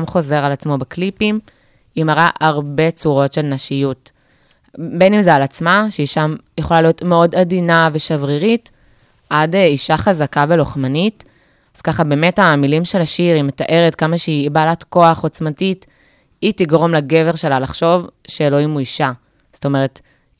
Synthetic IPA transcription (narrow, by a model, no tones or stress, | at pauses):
mχo̞ze̞ʁalat͡smo̞beklipim | imaʁaʔaʁbe̞t͡suʁo̞tʃe̞lnaʃijut | benimzealat͡smaʃeiʃamjeχo̞lalijo̞tmeo̞dadinave̞ʃavʁiʁit | ʔadeiʃaχazakaveloχmanit | az̥kaχabe̞ːme̞tamilimʃe̞laʃiʁimetaʔe̞ʁetkamaʃeibaːlatko̞aχo̞t͡smatit | itiɡʁo̞mlaɡe̞ve̞ʁʃe̞lalaχʃo̞vʃeloimuiʃa | zto̞me̞ʁe̞t